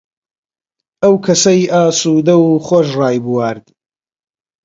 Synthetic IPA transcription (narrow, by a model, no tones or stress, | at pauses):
ɐwkʰɐsɐjʔaːsuːd̪ɐwuχoʃ̬rɑːjbuwaːɾd̪